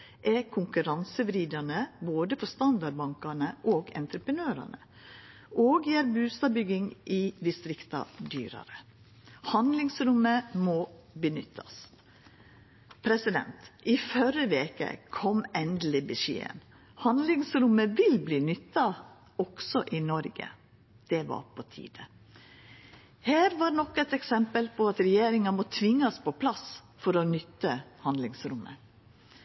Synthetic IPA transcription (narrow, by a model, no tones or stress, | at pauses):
ʔɛkʰʊŋkʉɾɑnsəʋɾiːd̪ɑnəboːd̪əfɔst̪ɑnd̪ɑɖ̚bɑŋkɑɳəʔoːɡɛ̰nt̪ɾəpɾənøːɾɑ̰ɳə | ʔoːɡjæːɾbʉːst̪ɑbʏɡɪŋʔɪd̪ɪst̪ɾɪkt̪ɑ̰d̪yːɾə̰ɾə | hɑnd̪lɪŋsɾʊməmoːbənʏt̪ʰːɑ̰s | pʰɾɛsɪd̪ɛ̰nt̪ʔifœɾəʋeːkə̰kʰɔmɛnd̪əl̩ɪbɪʂḛːə̰n | hɑnd̪lɪŋsɾʊməʋɪlbliːnʏt̪ːɑ | ɔksɔʔɪnɔɾɡə̰ | d̪̥ɛʋɑ̰ɾpʰɔt̪ʰḭːd̪̥ə | hæːɾʋɑːɾnɔkɛt̪ɛksɛmpəlpɔɑt̪ɾɛjeːɾɪŋɑmɔt̪ʰʋɪŋːɑspɔpʰlɑs | fɔɾɔnʏt̪ːəhɑnd̪lɪŋsɾʊmːə